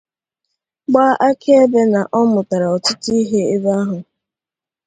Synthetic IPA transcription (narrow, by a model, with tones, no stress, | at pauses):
ɡ͡ba˦ʔa˦kʰe˦e˦be˦na˨ʔɔ˦mʊ˨ta˨ɾa˨ɔ˨tʊ˦tʊ˦i˦ɦe˦e˦ba˦ɦʊ˨